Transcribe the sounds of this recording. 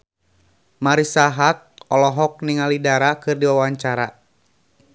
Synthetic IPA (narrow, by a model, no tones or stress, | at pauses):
maɾisaɦak̚ɔlɔɦɔk̚niŋalidaɾakɨrdiwawaɲt͡ʃaɾa